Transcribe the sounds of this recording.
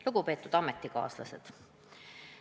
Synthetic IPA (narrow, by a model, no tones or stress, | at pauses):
luɡ̥upe̞ːt̪ːˑud̪̥ɑme̞t̪ːˑikɑ̰ːslɑ̰sed̪̥